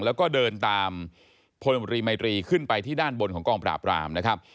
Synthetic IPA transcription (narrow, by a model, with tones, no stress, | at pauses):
ŋlɛː˦˥wkɔː˥˩dɤː˧nt̪aː˧m | pʰo˧nu˧ɾiː˧ma˧jt̪ɾiː˧kʰɯ˥˩npa˧jt̪ʰiː˥˩daː˥˩nbo˧nkʰɔː˩˦ŋkɔː˧ŋpɾa̰ː˨˩pɾa̰ː˧mna˦˥kʰɾa˦˥p̚